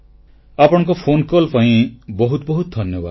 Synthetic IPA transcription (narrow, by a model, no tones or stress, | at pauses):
apɔɽ̃ɔ̃ŋkɔpʰonkɔlpaĩbɔɦut̪ɔbɔɦut̪d̪ʱɔnjɔba̰d̪